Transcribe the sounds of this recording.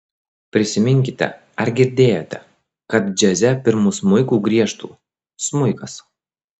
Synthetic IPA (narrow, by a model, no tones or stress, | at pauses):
pʲɾʲɪsʲɪmʲɪŋʲkʲɪt̪ʲɛ̰ | ɐɾɡʲɪɾʲd̪ʲeːjɛt̪ʲɛ | kɐt̪̚d͡ʒʲɛzʲɛpʲɪɾmʊsmʊɪkuːɡɾʲiɛʃt̪ṵː | smʊɪkɐs